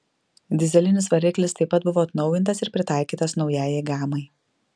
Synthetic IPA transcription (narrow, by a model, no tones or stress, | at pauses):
d̪ʲɪzʲɛlʲɪnʲɪsʋɐɾʲɪklʲɪst̪ɐɪpːɐt̪̚bʊʋoːt̪nɒʊjɪnt̪ɐsɪɾpʲɾʲɪt̪ɑˑɪkʲiːt̪ɐsnɒʊjæːjɛɪɡɑːmɐɪ